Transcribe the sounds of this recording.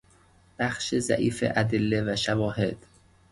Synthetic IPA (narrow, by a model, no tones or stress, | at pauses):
b̥æxʃezæ̰ʔiːfḛʔæd̪elːevæʃævɒːhe̞d̪̥